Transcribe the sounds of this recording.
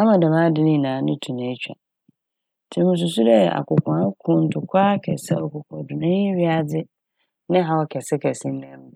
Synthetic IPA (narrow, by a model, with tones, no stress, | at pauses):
a˦mã˨da˨mã˦dɪ˦nĩ˦˨nãː˨˦nʊ̃˦tʰu˨nã˨˦t͡ɕᶣa̰˨ | tʰi˨˦mũ˨s̬u˨s̬u˦dɛ˦˨ʔa̰˨kʊ˨kʰã˨a˦kʰʊ̃˨n̩˨tʰʊ˨kʰʷaː˦kʰɛ̰˨sɛ˦ɔ˨kʊ˨kʰɔ̃˨dʊ˨nã˦ɲɪ˦ɥi˦a˨d͡zɪ˦ | nɪ̃˦ɦa˨wɔ˦kʰɛ˨sɛ˦kʰɛ˨sĩ˦nɛ̃˦m˦˨